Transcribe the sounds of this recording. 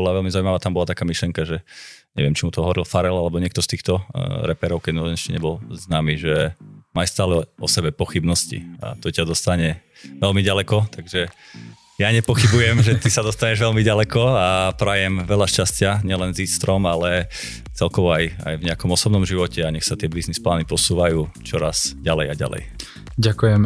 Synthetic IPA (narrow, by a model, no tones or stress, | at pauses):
bɔlaʋɛlmizaujmaʋaːt̪ambɔlat̪akaːmiʃlɪɛŋkaʒɛɲɛ̰ʋɪɛmt͡ʃimut̪ɔɦɔʋɔɾilfaɾɛlalɛbɔɲɪɛk̚t̪ɔst̪iːxt̪ɔɾɛpɛɾɔʊkɛd̪nɛscɛɲɛ̰bɔlznaːmiʒɛmajst̪aːlɛɔsɛbɛpɔxibnɔscḭa̰t̪ɔcad̪ɔst̪aɲɛ | ʋɛlmiɟalɛkɔt̪aɡʒɛ | jaɲɛpɔxibujɛmʒɛt̪isad̪ɔst̪aɲɛʒʋɛlmiɟalɛkɔapɾaːjɛmʋɛʎaʃcascɪaɲɪɛlɛnziːst̪ɾɔmalɛ | t͡sɛlkɔʋɔaja̰jvɲɛakɔmɔsɔbnɔmʒiʋɔcɛaɲɛxsat̪ɪɛbiznisplaːnipɔsuːʋajuːt͡ʃɔɾa̰z̥ɟalɛjaɟa̰lɛ̰j | ɟakujɛm